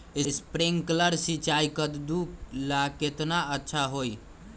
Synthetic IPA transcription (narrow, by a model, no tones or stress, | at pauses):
espɾiŋɡkləɾsit͡ʃajkət̪d̪ulaket̪naətːʃʰaɦoj